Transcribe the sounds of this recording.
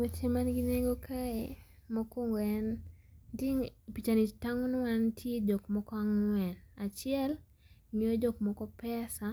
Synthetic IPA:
wet͡ʃemanɡineɡokʰae | mɔkɔŋwɛn | diŋpit͡ʃanitaŋunwantʰjedokmɔkɔaŋwɛnat͡ʃɪɛl | ɲod͡ʒok̚mɔkɔpɛsa

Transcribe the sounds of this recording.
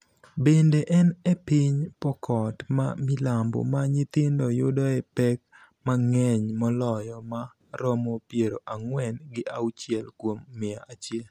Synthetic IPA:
bendeʔɛnɛpiɲpɔkʰɔtma̰milambo̰maɲɪt̪ɪndɔjʊdɔɛpɛk̚ | maŋɛɲmɔlɔjɔma | ɾɔmɔpjeɾoʔaŋwɛnɡɪʔa̰wt͡ʃiɛlkwomːɪaʔat͡ʃjɛl

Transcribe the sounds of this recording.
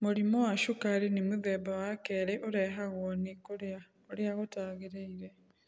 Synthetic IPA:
moɾimɔwaʃokaɾenemoðɛbawakɛɾeʔoɾɛɦaɣwɔnekoɾa | oɾeaɣotaːɣeɾeiɾɛ

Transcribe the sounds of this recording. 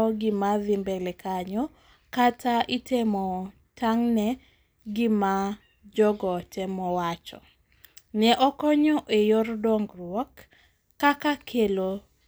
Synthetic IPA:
ɡɪmaðɪmbɛlekaɲɔ | katʰaʔitʰemɔ | taŋnɛ | ɡɪma | d͡ʒɔɡɔtʰemɔwat͡ʃɔ̰ | nɛʔɔkɔɲɔʔejordɔŋɡrwɔkː | akakʰelo

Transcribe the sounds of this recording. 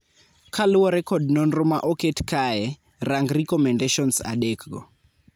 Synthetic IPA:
kʰaluwɔɾɛkɔd̚nɔnrɔmaʔɔketkajɛ | raŋɡrikɔmɛndeʃɔnsa̰ɗɛkɡɔ̰

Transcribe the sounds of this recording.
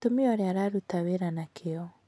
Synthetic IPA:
tomiɔɾeaɾaɾutaweɾanakʰeɔ

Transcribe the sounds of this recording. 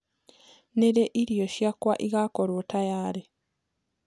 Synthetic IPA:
neɾeʔiɾijoʃjakwaʔiɣakoɾwotajaːɾe

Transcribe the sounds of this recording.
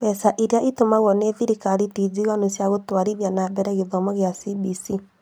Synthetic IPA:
bɛsaʔiɾeaʔitomaɣwɔneðiɾikaɾitiziɣanosjaɣotwaɾiðjanabɛɾɛɣeðɔmɔɣjasibisi

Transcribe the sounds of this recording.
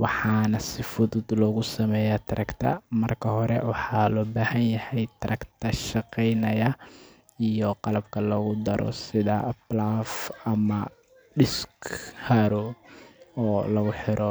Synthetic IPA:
wɑħɑːnɐsɪfʊðʊd̪lɔːɣʊsɐmɛːjaːt̪ʰɐɾʔɐkt̪ʰɐ̰mɐrkʰɐhɔɾɛ̰wɑħɑːlɔːbaːhɐnjɐhɛjt̪ʰɐɾʔɐkt̪ʰɐʃɑqɛjnɐjɐ | ijɔqɑlɐbkʰɐlɔːɣʊd̪ɐɾʔɔ̰sɪðɐblafɐmɐ | ɖɪskhɐɾɔ | ɔːlɐɣʊħɪɾʔɔ

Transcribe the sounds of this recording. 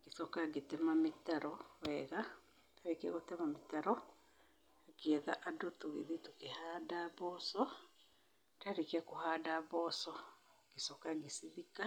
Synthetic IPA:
kesɔkaɡetɛmametaɾɔwɛɣa | taɾekeaɣotɛmametaɾɔ | akeɛða̰ʔadotoɣḛðitokehaːdaβɔsɔ | taɾekeakohaːdaβɔsɔ | kesɔkaɡesiðika

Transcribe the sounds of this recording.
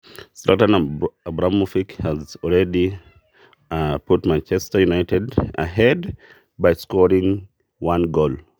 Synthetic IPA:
satə̃nabɹamufikhəzɔlˠɹɛdi | pʰutmãnt͡ʃɛstəjunaɪtɛdə̰ɦɛd | baɪskɔɹĩŋ | wãnɡol

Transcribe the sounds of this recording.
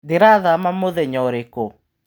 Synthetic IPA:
deɾaðamamoðɛɲɔɾeko

